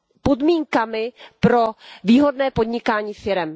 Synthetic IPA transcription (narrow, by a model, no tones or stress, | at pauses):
po̞dmiːŋkamɪpɾo̞viːɦo̞dnɛːpo̞dɲɪkaːɲiːfɪɾɛm